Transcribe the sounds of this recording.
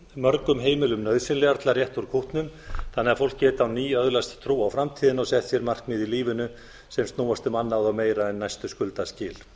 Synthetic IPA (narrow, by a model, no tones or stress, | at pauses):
mœɾkʏmɦeːjmɪlʏmnœːðsɪnlɛɣaɾt̪larjɛht̪uɾ̥kʰuht̪nʏmθanːɪːɣaɾfowl̥kcɛːt̪awniːœðlast̪t̪ʰɾuːawfɾamt̪ʰiːðɪnɔɣsɛht̪fjɛɾmar̥kmɪðiliːvʏnʏ | sɛmst̪nuːwast̪ʏmanːawðawmeːjɾaɛnːajst̪ʏskʏlt̪ascɪːl